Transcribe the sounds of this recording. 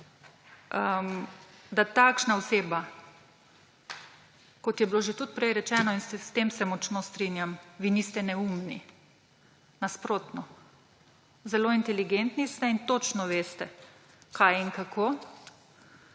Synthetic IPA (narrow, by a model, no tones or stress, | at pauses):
əmd̪at̪akʃnaɔseːba | kɔt̪jɛbiloːʒet̪ut̪̚pɾɛjɾɛt͡ʃɛːnɔinsst̪eːmsɛmɔt͡ʃnost̪ɾinjamʋiːnist̪ɛnɛumni | naspɾoːt̪nɔ | zɛloːint̪ɛliɡent̪nist̪ɛint̪ot͡ʃnɔʋeːst̪ɛ | kʰajiŋkakʰoː